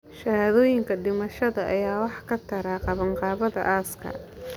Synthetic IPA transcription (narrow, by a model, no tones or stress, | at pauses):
ʃɐhaːðɔːjɪŋkʰɐɖɪmɐʃɐðɐʔɐjaːwɑħkʰɐt̪ʰɐɾaːqɑβɐɴqɑːβɐðɐ̰ʔaːskʰɐ̰